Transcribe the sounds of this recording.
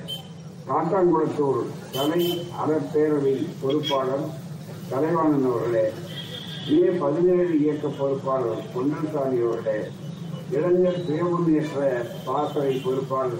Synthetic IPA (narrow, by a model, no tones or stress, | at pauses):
kaːʈːaːŋɡɐɽɐt̪ːuːɾt̪ɐlɐɪɐ̰ɽɐpːeːɾɐʋɪnpɔɾɯpːaːlɐm | t̪ɐlɐɪʋaːɳɯnɐʋɐɾɣɐleː | ɪneːpɐðɪneːɻɯɪjɐkːɐpːɔɾɯpːaːlɐmkɔɳdrɐsaːðɪjoːɾɣɐleː | ɪɽɐŋd̪ɐp̪ejɐʋɐmɛʈɾɐ | paːt̪ːɐʋɪnpɔɾɯpːaːl